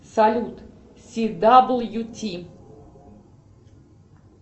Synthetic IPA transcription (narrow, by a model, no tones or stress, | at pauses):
sɐlʲut̪ | sʲid̪abl̩ˠjutʲʰi